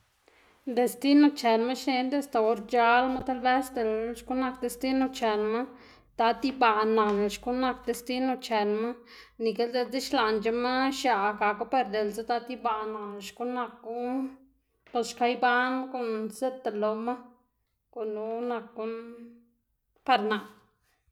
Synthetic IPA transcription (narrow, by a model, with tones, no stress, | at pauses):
d̪e˧st̪i˦no˧t͡ʃe˨nma˦ʃne˧nd̪e˦a˨st̪a˨o˧ɾt͡ʃa˧lma˦t̪a˦lbe˦sd̪e˨lʃku˦na˧k̚d̪e˧st̪i˦no˧t͡ʃe˨nma˦ | t̪a˧˦t̪i˦ba˧˨na˨n˨ʃku˦na˧k̚d̪e˧st̪i˦no˧t͡ʃe˨nma˦ | ni˨ke˦ld̪e˧t͡si˦ʃla˧nt͡ʃa˧ma˦ʃa˨˧ka˨ku˦pe˧ɾd̪e˨lze˦t̪a˧t̪i˦ba˧na˨ʃku˦na˧kːu˦ | po˧sʃka˧jba˦nko˧nse˦t̪a˨lo˧ma˦ | ko˨nu˧˦na˧k̚ɡu˧n | pa˧ɾna˨